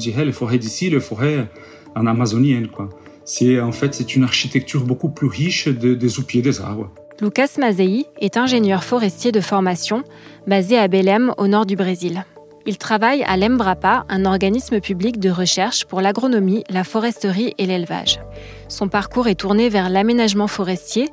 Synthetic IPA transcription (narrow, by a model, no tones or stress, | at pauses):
d̪iʁɛlefɔʁɛd̪isiləfɔʁɛ | ɑ̃namazɔnjɛnkwa | sɛɑ̃fɛt̪sɛt̪ynaʁʃit̪ɛk̚t̪ʰyʁbokuplyʁiʃd̪əd̪ezupjed̪eza̰ʁbʁə | lukasmazeiɛt̪ɛ̃ʒenjœʁfɔʁɛst̪jed̪əfɔʁmasjɔ̃ | bazeabelɛmo̰nɔʁd̪ybʁezil | ilt̪χavaja̰lɛmbʁapaʔɛ̃nɔʁɡanisməpyblikd̪əʁəʃɛʁʃpuʁlaɡʁɔnɔmilafɔʁɛst̪əʁiʔelelva̰ʒ | sɔ̃paʁkuʁɛt̪uʁnevɛʁlamenaʒmɑ̃fɔʁɛst̪je